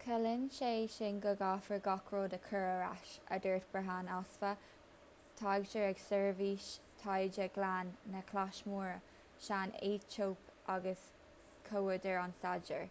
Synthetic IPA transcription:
kʰəlɪnʃeːʃɪnɡəɡafəɹɡɑkʰɹoːd̪əkʰəɹəɹa̰ʃə̰dɛːɹt̪̚b̥əɦanasfə | t̪ʰaːɡt͡ʃəɹɛɡsɛɹviːʃtʰajd͡ʒəɡlanːəkʰlaʃmuːɹə | ʃaneːt͡ʃʰoːpʰʔaɡəs | kʰowədəɹansad͡ʒəɹ

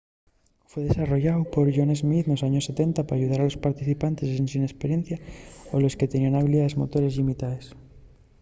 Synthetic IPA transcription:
fweð̞esaro̞ʝawpo̞ɾʝonezmiθnosaɲo̞se̞t̪e̞nt̪apaɾaʝuð̞aɾalo̞spaɾt̪iθipant̪e̞sensinespeɾje̞n̟θjaolo̞ske̞t̪enianaβiliðaðe̞zmo̞t̪o̞ɾe̞zʎimit̪aes

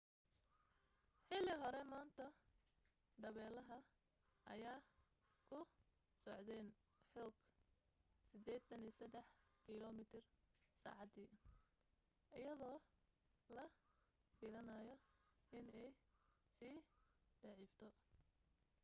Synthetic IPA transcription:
ħɪlɪɦɔɾɛmaːnt̪ʰɐ | d̪ɐβɛːlɐɦɐ | ʔɐ̰jaː | kʰʊ | sɔʕd̪ɛːn | ħɔːɡ | sɪd̪ɛːt̪ʰɐniːsɐd̪ɛħkʰilɔmɪt̪ʰɪrsa̰ːʕɑd̪iː | ʔɪjɐðɔː | lɐ | fiːlɐnajɔɪnɛjsiːd̪̥ɑʕiːft̪ʰɔ

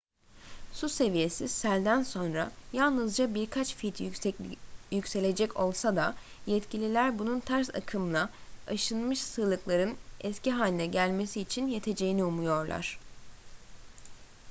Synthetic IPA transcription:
suse̞vije̞sisælʲd̪ænso̞nɾajalˠnɯzd͡ʒabiɾkʰat͡ʃfit̪ʰ | jycse̞lʲe̞d͡ʒɛcʰo̞lˠsad̪a | jɛt̪cilʲilʲæɾbununt̪ʰæɾsa̰kʰɯmlˠaaʃɯnmɯʃsɯːlˠɯklˠaɾɯnɛsciɦaːnʲinɛɟælʲme̞siːt͡ʃʰinjet̪ʰe̞d͡ʒe̞jiniumujo̞ɾlˠa̰ɾ̥

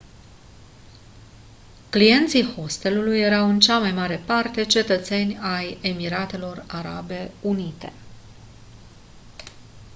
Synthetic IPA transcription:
klije̞nt̪siho̞st̪e̞lulujːe̞ɾawɨnt͡ʃamajmaɾe̞part̪e̞t͡ʃe̞t̪ət̪se̞nʲaje̞miɾat̪e̞lo̞raɾa̰be̞unit̪e̞̰

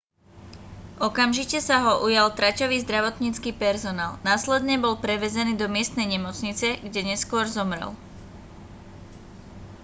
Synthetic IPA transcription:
ʔɔkamʒicɛsaɦɔʔujalt̪ɾacɔʋiːzd̪ɾaʋɔt̪ɲiːt͡skiːpɛɾzɔnaːlnaːslɛd̪ɲɛbɔlpɾɛʋɛzɛniːd̪ɔmɪɛst̪nɛjɲɛmɔt͡sɲit͡sɛɡɟɛɲɛskʊɔɾzɔmɾɛ̰l

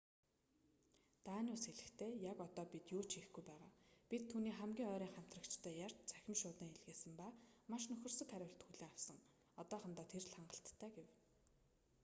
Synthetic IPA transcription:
t̪aːnʊːsxeɮɘ̆xt̪ʰeːjakɔt̪ɔːpit̪juːt͡ɕʰixɡujpæːʁaːpʲit̪ʰːuːniːχæmɡʲiːŋœːɾʲiːŋχæm̥ʲt̪rə̆kt͡ɕt̪ʰœːjar̥t͡ɕt͡sæ̥xʲɪ̆mʃʊːt̪iːŋeɮɣeːsɘ̆mpaːmaʃnɵxʲɵ̆rsɵ̆kʰæɾʲʊ̆ːɬt̪xuɮeːŋawsə̆ŋ | ɔt̪ɔːχə̆nt̪aːt̪ʰerɮaɴɢə̆ɬt̪ʰːæːɡew

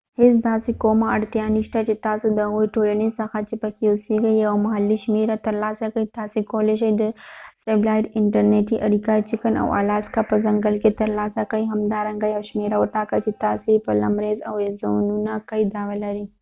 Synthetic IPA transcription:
hɪs̬d̪aːsikoːmãɐɽt̪ijaːniʃʈ̪at͡ʃit̪aːsid̪ɐɣoːiʈoːlɐnisɐxat͡ʃipɐkiʊsiɡɐiɐwmɐɦɐlːiʃmeːɾat̪ɐɾlaːsakɐit̪aːsikoːleʃ̬ɐid̪ɐseːblaːjʈɪɳʈɐɾneːʈiʔɐɾikaːit͡ʃikɐnɐ̰wa̰ːlaːskapɐzɐŋɡəlket̪ɐɾlaːsakɐiɦɐmd̪aːɾɐŋɡajɐʃmeːɾaɐʈaːkɐt͡ʃit̪aːsipɐlɐmɾeːzɐweszoːnunakɐid̪aːʋɐlɐɾi

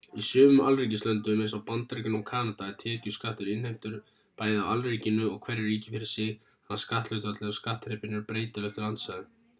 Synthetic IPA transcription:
isʏːvʏmalriːcɪst̪lœnt̪ʏmɛnsawpant̪aɾicʏnɔɣkʰaːnat̪at̪ʰɛːcʏskaht̪ʏɾɪnhejm̥t̪ʏɾ̥ | paːjðaalriːcɪnːʏɔɣkʰv̥ɛɾɪrːiːcɪfɪɾɪ̥sɪ | hanskaht̪lœɥt̪ʏvat̪lɛʏskaht̪ɾɛpɪnːʏɾpɾeːjt̪alɛht̪ʏɾant̪saðʏ

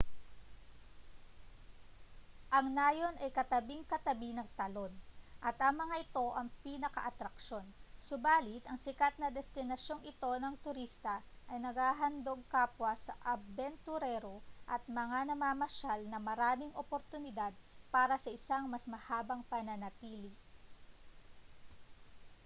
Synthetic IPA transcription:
ʔɐŋnaːjo̞nɐjkɐt̪ɐbiŋkɐt̪ɐbinɐŋt̪ɐlo̞nʔɐt̪ʔɐŋmɐŋaʔɪt̪o̞ʔɐŋpiːnɐkɐ̰ʔɐt̪ɾɐkʃo̞nsʊbaːlɪt̪ɐŋsɪkat̪̚nɐd̪ɛst̪ɪnɐʃjo̞ŋɪt̪o̞nɐŋt̪ʊɾist̪ɐ | ʔɐjnɐɡhaːɦɐnd̪o̞ɡ̚kaːpwɐsɐʔɐbbɛnt̪ʊɾɛɾo̞ʔɐt̪̚mɐŋanɐmaːmɐʃalnɐmɐɾaːmɪŋʔopoɾt̪ʊnɪd̪ad̪̚paːɾɐsɐʔɪsaŋmɐsmɐhaːbɐŋpɐnɐnɐt̪iːlɪ

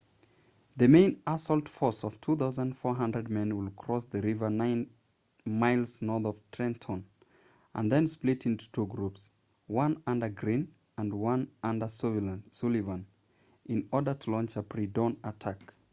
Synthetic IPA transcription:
ðɨmẽɪ̃nasɔlˠtfɔɹsʌv̥tʰuθaʊzə̃ndfɔɹɦʌ̃ndɹɨd̚mɛ̃nwɪlˠkʰɹ̥ɔsðɨɹɪvə˞nãɪ̃n | maɪlˠznɔθʌv̥tʰɹ̥ɛ̃ntʰɔ̃n | ʔə̰̃nðɨ̃nsplɪɾɪ̃ntu̥tʰuɡɹups | wʌ̃nʌ̃ndə˞ɡɹĩn | ə̃nwʌ̃nʌ̃ndəssulivə̃n | ʔɪ̃nɔɹdə˞tʰəlɔ̃nt͡ʃəpʰɹ̥idõnətʰak

